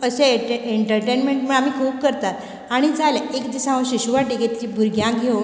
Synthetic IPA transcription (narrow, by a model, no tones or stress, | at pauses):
əɕeeeɳʈəɾʈenmeɳʈməɳam̤iːkʰuːp̚kəɾt̪at̪ | aɽ̃id͡zalaekd̪isãʋəɕiɕuʋaʈiket̪t͡ɕibʱuɾɡjãɡʱe